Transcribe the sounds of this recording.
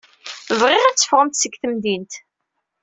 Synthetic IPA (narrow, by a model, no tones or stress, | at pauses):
əvʁɪʁæt͡sːə̥fʁəmt̪səɡθəmd̪int̪